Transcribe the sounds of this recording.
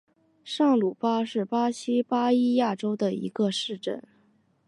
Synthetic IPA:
ʂɑ˥˩ŋlu˨˩pa˥ʂɻ̩˥˩pa˥ɕi˥pa˥i˥ja˥˩ʈ͡ʂo˥ʊd̪ə˨ḭ˧˥ɡə˧ʂɻ̩˥˧ʈ͡ʂə̰˥˩n

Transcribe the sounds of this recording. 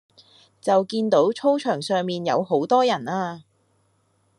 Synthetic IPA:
t͡sɐ˨wkiː˧nt̪o˨˥wt͡ʃʰo˥wt͡ʃʰœː˨˩ŋsœː˨ŋmiː˨njɐ̰˨˧wɦo˨˥wt̪ɔː˥jɐ˨˩naː˧

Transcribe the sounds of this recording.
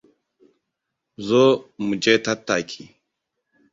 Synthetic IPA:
zɔ˦mu˨d͡ʒe˦ta˦tːa˨kʲʰi˨

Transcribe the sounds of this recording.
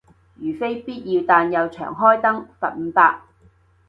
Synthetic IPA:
jyː˨˩fe˥jpiː˥t̚jiː˧wt̪aː˧njɐ˨˧wt͡ʃʰœ̰ː˨˩ŋɦɔː˥jt̪ɐ˥ŋfɐ̰˨t̚m̩˨˧paː˧k̚

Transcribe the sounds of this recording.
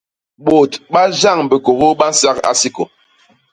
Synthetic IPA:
ɓo˨tɓa˦d͡ʒa˦˨ŋbə˨ko˨ɣo˦ɓa˦n̩˦sa˦ka̰˦si˦ko˨

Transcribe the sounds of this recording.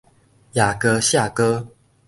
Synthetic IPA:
ja˨˩kə˧˦ɕja˥˨˩kɤ˥

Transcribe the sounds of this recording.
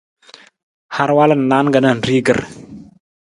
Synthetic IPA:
ha˦ɾwa˦la˦˨n˨nːa˦nɡa˨na˨nɾi˦ɡə˨ɾ

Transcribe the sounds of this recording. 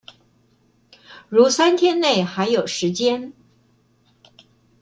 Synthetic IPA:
ɻu˧˥sa˥nt̪ʰjɛ˥nne˥˩ɪxa˧˥ɪjo˨˩ʊʂɻ̩˧˥t͡ɕjɛ˥n

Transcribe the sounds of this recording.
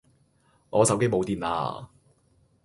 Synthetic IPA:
ŋɔː˨˧sɐ˨˥wke˥jmo˨˧wt̪iː˨˩na̰ː˧

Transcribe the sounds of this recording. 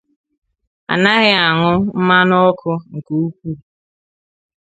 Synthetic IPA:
a̰˨na˦ɣɪ˦a˨ŋʊ˦m̩˦ma˦nɔ˦ɔ˦kʰʊ˦ŋ̩˨ku˨u˦kʷu˦

